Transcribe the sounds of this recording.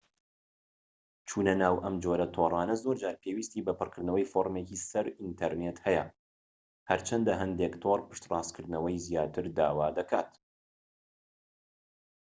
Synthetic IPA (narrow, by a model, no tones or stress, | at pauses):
t͡ʃʰuːnɐnaːwʔɐmd͡ʒoɾɐt̪ʰorˤɑːnɐzoɾd͡ʒaːɾpʰewiːst̪iːbɐpɨrkɨɾd̪nɐwɐjfoːɾmecisɐɾint̪ʰɐɾneːt̪hɛjɐ̰ | hɐɾt͡ʃʰɐnd̪ɐɦɐnd̪ekt̪ʰorpɨ̥ʃt̪rˤɑːskʰɨɾd̪nɐwɐjzijaːt̪ʰɨɾd̪aːwaːd̪ɐkʰa̰ːt̪